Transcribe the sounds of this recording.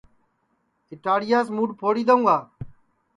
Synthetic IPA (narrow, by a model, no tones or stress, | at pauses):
ɪʈaːɽɪjaːsmuːɖpʰoːɽiːd̪əũːɡaː